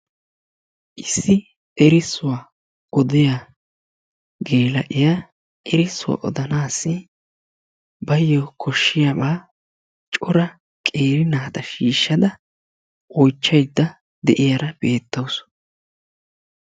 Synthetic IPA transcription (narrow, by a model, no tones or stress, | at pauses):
ʔɪsːɪ | ɛɾɪsːʊwa | ʔɔd̪ɪja | ɡe̞ːlɐʔɪja | ʔɛɾɪsːʊwa̰ʔɔ̰d̪ɐnaːsːɪ | bɐjːɔkʰɔʃːɪjabaː | t͡ʃʼɔɾɐ | kʼe̞ːɾɪnaːt̪ɐʃiːʃːɐd̪ɐ | ʔɔjt͡ʃːɐjd̪ːɐ | d̪ɛʔɪjɐɾɐb̥e̞ːt̪ːɐws